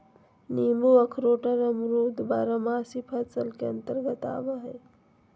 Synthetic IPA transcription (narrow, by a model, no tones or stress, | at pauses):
niːmuɐkʰɾoːʈəɾɐmɾuːd̪baːɾəmaːsipʰɐsəlkeɐ̃nt̪əɾɡət̪a̰ːbəɦɛː